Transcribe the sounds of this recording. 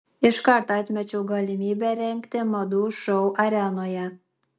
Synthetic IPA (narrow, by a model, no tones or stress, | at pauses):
ɪʃkɐɾt̪ːɐt̪ʲmʲɛt͡ʃʲɛʊɡɐlʲɪmʲiːbʲɛɾʲɛŋʲkt̪ʲɪmɐd̪uːʃɔʊʔɐɾʲænoːjɛ